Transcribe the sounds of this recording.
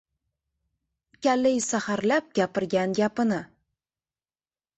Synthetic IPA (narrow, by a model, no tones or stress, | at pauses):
kʲalejsahaɾlap̚ɡʲapɪɾɡʲanɡʲapɪnɪ